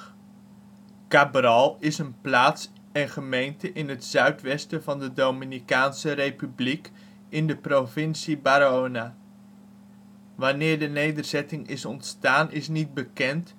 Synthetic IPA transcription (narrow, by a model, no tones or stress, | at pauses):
kaːbrɑlˠɪsənplaːts | ɛnχəmejntəʔɪnɦətsœɥtʋɛstəvɑndədowminikaːnsərejpyblik | ɪndəprovɪnsibaːɾona | ʋɑnɪːɹdənejdəɹzɛtɪŋɪsɔntstaːnɪsnid̚bəkɛnt